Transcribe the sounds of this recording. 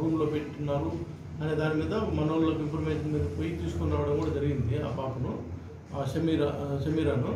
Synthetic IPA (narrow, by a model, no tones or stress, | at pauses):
ɾuːmlo̞ːpeʈʈːunːaːɾu | ɐneːd̪aːnimiːd̪ɐmɐnoːllokimpʰɐɾmetɐmid̪ɐpoːjit̪iːsu̥kunːaːʋɐɽɐmkuːɽad͡ʒɐɾiɡind̪ia̰ːpaːkunu | aːʃɐmiːɾaʃɐmiːɾaːnu